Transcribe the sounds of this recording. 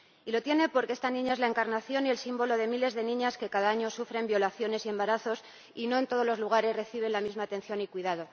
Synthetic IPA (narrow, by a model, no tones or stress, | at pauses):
ilo̞t̪je̞ne̞po̞ɾke̞est̪anĩɲaezlae̞ŋkaɾnaθjo̞nie̞lsimbo̞lo̞ðe̞mile̞zðe̞nĩɲaske̞kaðaaɲo̞sufɾe̞mbjo̞laθjo̞ne̞sie̞mbaɾaθo̞s | ino̞e̞nt̪o̞ð̞o̞zlo̞zluɣ̞aɾe̞zre̞θiβ̞e̞nlamizmaːt̪e̞n̟θjo̞nikwiðað̞o̞